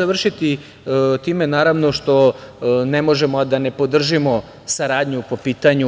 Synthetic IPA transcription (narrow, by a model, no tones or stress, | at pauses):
aʋr̩ʃit̪i | t̪iːme̞naːɾaʋno̞ʃt̪o̞nemo̞ʒemod̪ane̞po̞d̪r̩ʒimo̞ | saɾaːd̪ɲupo̞piːt̪aɲu